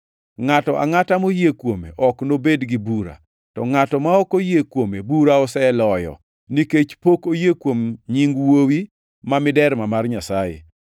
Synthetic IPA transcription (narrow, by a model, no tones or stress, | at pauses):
ŋatɔʔa̰ŋatamojekwomḛʔɔknobedɡibuɾa̰ | tɔŋatɔmaɔkojekwomebuɾaɔsɛlɔjɔ̰ | niket͡ʃpokojekwomɲiŋɡwowi | mamɪdɛɾmamarɲasajḛ